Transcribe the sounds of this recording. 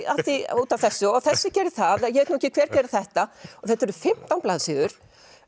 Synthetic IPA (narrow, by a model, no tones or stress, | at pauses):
at̪iuːt̪avθɛsːʏɔθɛsːɪcɛːɾɪθaðajɛveːt̪nuɛcɪkʰv̥ɛːɾcɛːɾɪθɛht̪aɔθɛht̪ːɛɾʏfɪm̥t̪awnplaːðsɪɣʏɾ̥